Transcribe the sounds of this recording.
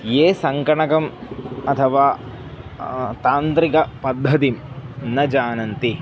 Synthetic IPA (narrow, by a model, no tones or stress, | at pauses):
jeːsɐŋkɐɳɐkɐmɐt̪ʰɐʋaː | t̪aːnt̪ɾikɐpɐd̪ʱːɐt̪im | nɐd͡ʒaːnɐnt̪i